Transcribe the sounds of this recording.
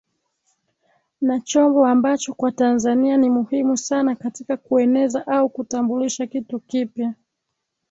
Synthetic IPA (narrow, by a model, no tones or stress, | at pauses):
nat͡ʃɔmbɔambat͡ʃɔkwatanzanianimuhimusanakatikakuɛnɛzaʔaukutambuliʃakitukipja